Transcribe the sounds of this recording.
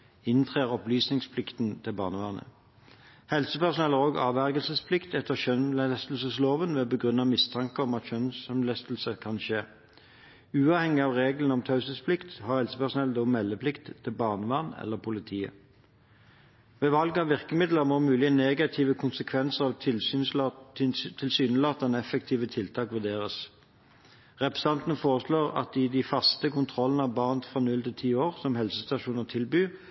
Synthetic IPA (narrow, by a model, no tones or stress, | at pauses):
ɪnt̪ʰʁeːʁɔplyːsnɪŋspʰlɪkt̪nt̪ʰɪlbɑ̰ːnəʋɑʁnə̰ | hɛlsəpæʁsʊnɛləʁoːɡɑ̰ːʋæʁɡəlsəspʰlɪkt̪ɛt̪ʰːəʁʃœnlæst̪l̩səsloːʋənʋeːbəɡʁʉnɑmɪst̪ʰɑŋkəɔmɑt̪ʃœnsmlæst̪lsəkʰɑnʃeː | ʉːɑːʋhɛŋɪɑːʋʁeːɡlən̩ɔmt̪ʰɑʉsəspʰlɪkt̪hɑːʁhɛlsəpæʁsʊnɛld̪oːmɛlːəpʰlɪkt̪ʰːɪlbɑːʁnəʋɑːnɛ̰lːəʁpʰʊlɪt̪ʰiːə̰ | ʋeːʋɑlɡɑʋʋɪʁkəmɪd̪ləʁmoːmʉːlɪəneːɡɑt̪ʰiːʋəkʰʊnsəkʰʋɛnsəʁɑʋ | t̪ʰɪlsyːnəlɑːt̪̚d̪ɛnɛfəkt̪ʰiːʋət̪ʰɪlt̪ʰɑːkʋeːd̪eːʁəs | ʁɛpʁɛsɑnt̪nəfoːʁəsloːʁɑ̰t̪ɪd̪ɪfɑst̪əkʊnt̪ʰʁɔlːənəɑʋbɑːʁnət̪fʁɑːnʉlt̪ɪlt̪ʰiːoːʁsɔmhɛlsəst̪ɑʃuːnət̪ʰɪlbyː